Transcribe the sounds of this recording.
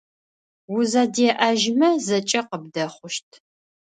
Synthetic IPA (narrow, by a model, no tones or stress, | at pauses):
wʊzaːdeːʔɐʒmɐzɐt͡ʃʼɐqəb̚dɐχʷʊʃtʰ